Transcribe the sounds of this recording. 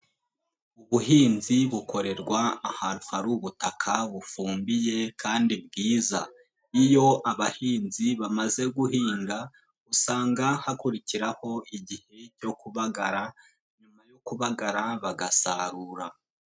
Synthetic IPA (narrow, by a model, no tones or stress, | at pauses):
uβuɦiːnziβukʰo̞ɾe̞ɾɡwaːhaɾuhaɾuβutʰakʰaβufuːmbije̞kʰaːndibɡiːza̰ | ijo̞ʔaβahiːnziβamaze̞ɡuɦiːŋɡa | usaːŋɡahakuɾiciɾaho̞iɟihe̞co̞kuβaɡaɾa | ɲumajo̞kuβaɡaɾaβaɡasa̰ɾuɾa